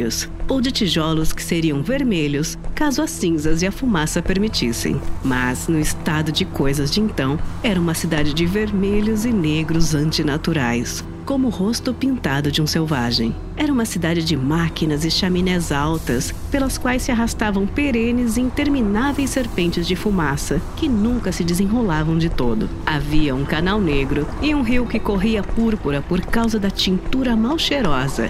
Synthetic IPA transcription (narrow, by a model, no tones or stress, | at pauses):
ʊsowd͡ʒɪt͡ʃiʒɔlʊskɪ̥seɾiɐ̃w̃veɾmeʎʊskazʊɐsːĩzɐzɪɐfumasɐpeɾmit͡ʃḭsḛ̃j̃mɐznʊɪst̪ad̪ʊd͡ʒɪkojzɐzd͡ʒɪẽnt̪ɐ̃w̃ɛɾɐũmɐsid̪ad͡ʒɪd͡ʒɪveɾmeʎʊzɪneɡɾʊzɐ̃nt͡ʃɪnat̪uɾajs | kõmʊhost̪ʊpĩnt̪ad̪ʊd͡ʒɪũsewvaʒḛ̃j̃ | ɛɾɐũmɐsid̪ad͡ʒɪd͡ʒɪmakinɐzɪʃaminɛzawt̪ɐs | pelɐskwajsːɪaɦast̪avɐ̃w̃peɾẽnɪzĩĩnt̪eɾminavejsːeɾpẽnt͡ʃɪzd͡ʒɪfumasɐkɪnũŋkɐsɪd͡ʒ̪ɪzẽɦolavɐ̃w̃d͡ʒɪt̪od̪ʊ̰ | aviɐũkanawneɡɾʊɪũɦiwkɪkoɦiɐpuɾpuɾɐpoɾkawzɐd̪ɐt͡ʃĩnt̪uɾɐmawʃeɾɔzɐ̰